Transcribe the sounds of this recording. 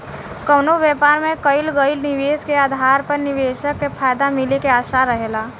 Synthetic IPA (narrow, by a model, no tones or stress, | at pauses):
kəːnoʋjɛːpaːɾmẽkəɪlɡəɪlnɪʋeːskeaːd̪ʱaːɾpəɾnɪʋeːʃəkːepʰaːjd̪amɪlekeaːʃaɾəɦelaː